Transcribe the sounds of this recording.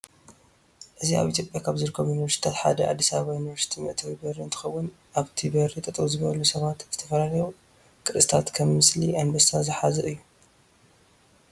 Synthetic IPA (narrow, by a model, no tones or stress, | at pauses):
ʔɨzia̰βʔit̪ʰjopʼjakʰaβzɨɾɨkʰːɐmjunivɐɾst̪i̥t̪ʰat̪ħa̰d̪ɐʔʕa̰d̪ːisaββajunivɐɾsit̪ʰimɨʔt̪ʰɐwibɐɾiɨnt̪ʰɨ̥xɐwːʊn | ʔaβt̪ʰibɐɾit̪ʼɐt̪ʼβuzɨβɐlusɐβat̪z̥ɨ̥t̪ʰɐfɐlalɐju | kʼɨɾɨst̪ʰat̪kʰɐmːɨsliʔanbɐssazɨħazɨʔɨjːu